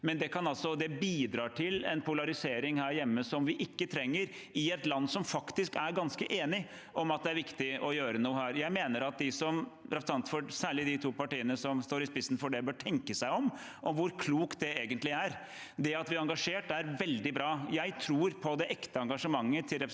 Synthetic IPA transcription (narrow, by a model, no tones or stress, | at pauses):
mɛnd̪ɛkʰɑnɑlsɔd̪ɛbiːd̪ɾɑːʈʰɪlɛ̰npʊlɑɾɪseːɾɪŋhæːɾjɛmːəsɔmʋɪʔɪkːət̪ʰɾɛŋːəɾ | ɪɛt̪lɑnːsɔmfɑkt̪ɪskæɾɡɑnskəʔeːnɪ | ʔɔmɑt̪̚d̪ɛæɾʋɪkt̪ɪɔjøːɾənuːhæːɾjæɪmeːnəɾɑt̪̚d̪ɪsɔmɾɛpsɑnt̪fɔsæːɭɪd̪ɪt̪ʰuːpɑʈiːənəsɔmst̪oːɾɪspɪsnfɔɖɛbøːʈʰɛŋkəsæɪɔm | ʔɔmʋʊɾkʰluːkt̪̚d̪ɛeːɡənt̪lɪæɾ | d̪ɛɑt̪ʋɪɾɑŋɡɑʂeːʈæɾʋɛld̪ɪbɾɑːjæɪt̪ʰɾuːɾpʰɔd̪ɛʔɛkt̪əɑŋɡɑʂəmɑŋːət̪ʰɪlɾɛp